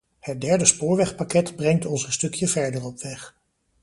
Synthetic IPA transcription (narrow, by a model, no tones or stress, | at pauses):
hət̚dɛɹdəspʊːɹʋɛχpakɛtbrɛŋtɔnsənstɵkjəvɛɹdərɔpʋɛχ